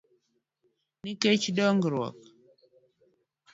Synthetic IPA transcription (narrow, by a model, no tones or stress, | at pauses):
niket͡ʃdɔŋɡɾwɔ̰k